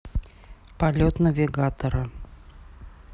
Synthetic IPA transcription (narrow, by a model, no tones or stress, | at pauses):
pɐlʲot̪nəvʲɪɡat̪əɾə